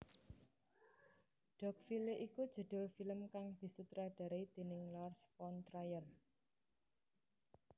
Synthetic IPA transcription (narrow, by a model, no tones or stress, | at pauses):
ɖ̥ɔ̤k̚fileʔikud̥ʒ̥ə̤d̪̥ʊ̤lfiləmkaŋd̪̥i̤sut̪ɾaɖ̥a̤ɾeid̪̥e̤nɪŋlɔrsfɔnt̪ɾajɔn